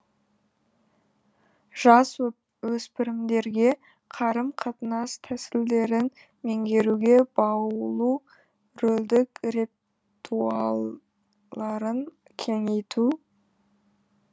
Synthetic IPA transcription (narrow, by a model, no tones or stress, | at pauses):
ʒ̥ɑs | wɵspɪɾɪmd̪e̞ɾɡʲe̞ | qʰɑɾəmqʰɑt̪ənɑst̪ʰæsɪld̪e̞ɾɪn | meŋɡʲe̞ɾuɡʲe̞bɑwlˠu | ɾɵld̪ɪkre | t̪ʰuɑlˠ | ɑɾəŋ | kʲʰe̞ŋe̞jt̪ʰu